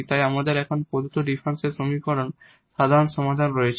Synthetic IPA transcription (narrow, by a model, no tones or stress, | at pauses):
t̪ajamad̪eɾɛkʰonopod̪ut̪oɖipʰanseʃomikɔɽon | ʃad̪ʱaɾonʃɔmad̪ʱanɾɔet͡ɕʰ